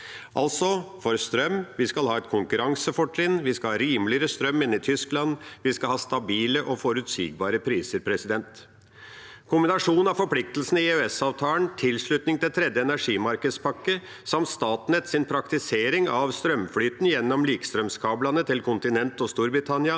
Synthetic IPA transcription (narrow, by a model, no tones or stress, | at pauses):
ʔɑ̰lt̪sɔfɔɾst̪ɾœmʋɪskɑlhɑːɛt̪̚kʰʊŋkʉɾɑŋsəfɔʈlɪnːʋɪskɑlhɑːɾiːmlɪəɾəst̪ɾœmːɪnːɪt̪ʰʏsklɑnʋɪskɑlhɑːst̪ɑbiːləʔɔfɔɾʉt̪sḭːɡ̚bɑːɾəpʰɾiːsəɾpʰɾɛsɪd̪ɛnt̪ | kʰʊmbɪnɑʂuːnɑʋfɔɾpʰlɪk̚t̪əlsn̩ɪøɛsɑːʋt̪ʰɑːlənt̪ʰɪlʂɭʉt̪nɪŋt̪ɪlt̪ʰɾɛd̪jəɛnæʂiːmɑɾkəd̪spʰɑkːə | sɑmt̪st̪ɑːt̪nɛt̪sɪnpʰɾɑkt̪ɪseːɾɪŋɑʋst̪ɾœmflyːt̪njɛnːɔmliːkst̪ɾœmskʰɑːblɑnət̪ʰɪlkʰʊnt̪ɪnɛnt̪ɔst̪uːɾbɾɪt̪ʰɑnɪɑ